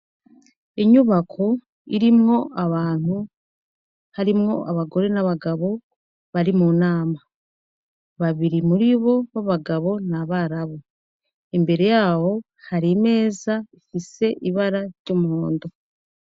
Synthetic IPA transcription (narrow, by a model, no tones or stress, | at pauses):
iɲuβakʰo̞ | iɾimŋo̞ʔaβaːn̥u | haɾimŋo̞̰ʔaβaɡo̞ɾe̞naβaɡaβo̞ | βaɾimunaːma | βaβiɾimuɾiβo̞βaβaɡaβo̞naβaɾaβo | embe̞ɾe̞jaːwo̞ | haɾime̞ːzaifise̞ʔiβaɾaɾɟomuhoːndo